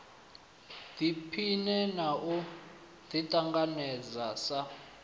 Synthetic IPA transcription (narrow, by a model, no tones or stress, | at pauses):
dipʰinɛnaʔu | t̪itʼaŋɡanɛzasa